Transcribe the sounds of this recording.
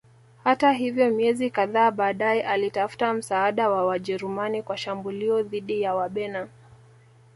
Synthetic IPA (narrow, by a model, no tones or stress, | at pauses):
hataɦivjɔmiɛzikaðaːɓaːɗaɛʔalitafu̥tam̩saːɗawawaʄɛɾumanikwaʃambuliɔðiɗijawaɓɛna